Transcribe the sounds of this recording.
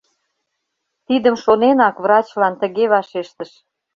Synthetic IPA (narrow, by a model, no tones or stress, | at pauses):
t̪id̪əmʃonenɑkβrɑt͡ɕlɑnt̪ə̆ɣeβɑʃeʃt̪əʃ